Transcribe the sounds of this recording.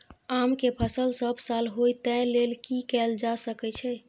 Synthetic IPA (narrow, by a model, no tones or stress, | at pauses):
amkepʰəsəlsəbʱsalɦojt̪ɛ̃lelkikɛld͡ʒasəkɛt͡ʃʰɛ